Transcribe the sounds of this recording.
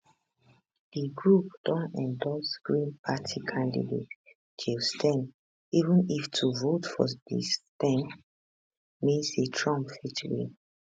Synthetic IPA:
d̥iɡɹupd̥ɔ̃nɛ̃ndɔlsɡ̥ɹĩnpʰatʰikʰãndḭdet | d͡ʒilstʰɛ̃n | ivə̃niftʰuvotfɔ̰dḭstɛ̃n | mĩnsetʰɹɔ̃mpfit͡ʃəɹḭ̃n

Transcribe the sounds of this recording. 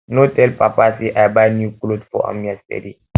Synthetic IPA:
notɛlpapasiʔabanjuklodfɔ̰a̰miastɛ̰di

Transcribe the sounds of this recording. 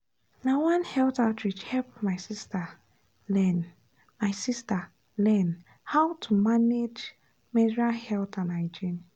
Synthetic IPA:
nawãnhɛltatɹid͡ʒhɛp̚maɪsista | lɛn | maɪsista | lɛn | hawtʰumaned͡ʒ | mɛdɹahɛltãnaɪd͡ʒin

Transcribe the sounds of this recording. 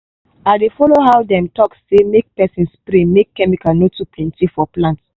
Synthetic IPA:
adefɔloɦawdɛ̃mtɔksːemek̚pɛsĩnspɾĩmekːɛmikanotuplɛ̃ntifɔplãnts

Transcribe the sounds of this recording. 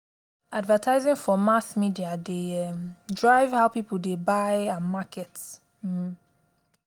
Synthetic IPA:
advətʰaɪzɪ̃ŋfɔmasmidiadeɛmdɹaɪvhaʊpipəl̩debaɪãnmakʰɛt̩

